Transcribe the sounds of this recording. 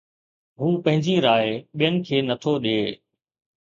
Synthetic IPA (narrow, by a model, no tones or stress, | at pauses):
ɦuːpɐ̃ɦɪ̃ɲd͡ʑiɾaːeɓijənɪ̆kʰeːnət̪ʰoɗeː